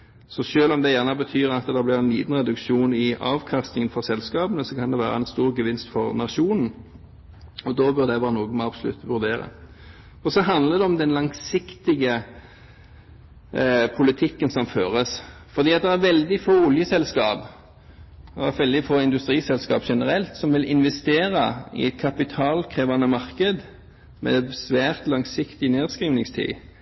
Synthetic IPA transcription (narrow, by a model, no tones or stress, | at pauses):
sɔʃøːlɔmd̪ɛjæːʁnəbət̪ʰyːɾɑt̪d̪ɛblɪʁɛnliːd̪n̩ʁɛd̪ʉkʃuːnɪɑːʋkʰɑst̪nɪŋənfɔʁsɛlskɑːbənəsɔkʰɑnd̪ɛʋæːɾəɛɪnst̪uːʁɡəʋɪnst̪fɔʁnɑʂuːnn̩ | ɔd̪ɔbœʁd̪ɛʋæːʁənuːɡənmɛɑbsɔlʉ̰t̪ːʋʉʁd̪eːɾə̰ | ɔsɔɦɑnd̪ləd̪ɛɔmd̪ɛnlɑŋsɪkt̪ɪɡə | pʰʊlɪt̪ʰɪkːənsɔmføːʁəs | fɔʁd̪iːɑt̪̚d̪ɛæʁʋɛld̪ɪfoːʊljəsɛlskɑːb | ɔæʁʋɛld̪ɪfoːɪnd̪ʉst̪ʁiːsɛlskɑ̰ːpʃɛnəʁɛlt̪sɔmʋɪlɪnʋɛst̪eːʁɑɪ̰ɛt̪̚kʰɑpɪt̪ʰɑːlkʰʁeːʋɑnəmɑʁkəd̪ | mɛ̰sʋæːʁt̪lɑŋsɪkt̪ɪneːʁskʁiːʋnɪŋst̪ʰḭː